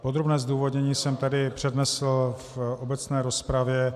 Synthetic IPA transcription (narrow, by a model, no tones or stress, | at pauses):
pod̪ɾobnɛːzduːvod̪ɲɛɲiːsɛmt̪adɪpr̝̥ɛdnɛsl̩fʔobɛt͡snɛːɾo̞spɾavjɛ